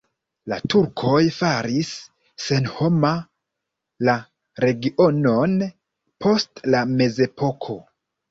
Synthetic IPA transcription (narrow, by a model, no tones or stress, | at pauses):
la̰tuɾkʰo̞jfaɾisː | e̞nho̞ma | la | ɾe̞ɡiʔo̞no̞n | pʰo̞stlame̞ze̞pʰo̞kʰo̞